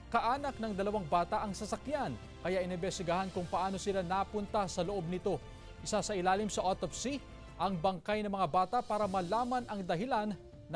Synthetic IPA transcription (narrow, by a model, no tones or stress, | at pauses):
kɐʔaːnɐk̚nɐŋd̪ɐlɐwaŋbaːt̪ɐʔɐŋsɐsɐkjan | kɐjaʔɪnɪbɛst̪ɪɡɐhankʊŋpɐʔaːno̞sɪlanapʊnt̪asɐloʔo̞b̚nɪt̪o̞ | ʔɪsasɐʔɪlaːlɪmsɐʔot̪ofsi | ʔɐŋbɐŋkajnɐmɐŋabaːt̪ɐpaːɾɐmɐlaːmɐnɐŋd̪ɐɦɪlanː